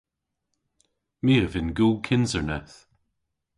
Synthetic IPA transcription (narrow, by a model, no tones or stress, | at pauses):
miːəvɪnɡuːkʰɪnzəɹnɛθ